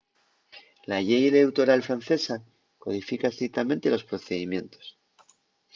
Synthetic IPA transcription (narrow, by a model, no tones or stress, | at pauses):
laʎejelewt̪o̞ɾalfɾan̟θe̞sa | ko̞ð̞ifikaest̪ɾik̚t̪amẽnt̪elo̞spɾo̞θe̞ðimjẽ̞nt̪o̞̥s